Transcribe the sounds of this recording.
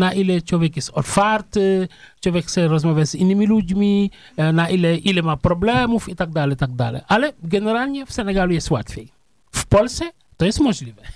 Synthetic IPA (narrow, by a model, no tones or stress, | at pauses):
naʔilɛt͡ʃwɔvʲjɛkjɛst̪ɔlfaɾt̪ɪt͡ʃwɔvʲjɛkxt̪sɛɾɔzmavʲjazinːɘmʲilud͡ʑmʲi | naʔilɛʔilɛmapɾɔblɛmufit̪aɡ̚d̪alɛjt̪aɡ̚d̪alɛ̰jʔalɛɡɛnɛɾalɲɛfsɛnɛɡalujɛst̪wat̪fʲjej | fpɔlt̪ssɛ | t̪ɔjɛst̪mɔʒlʲivɛ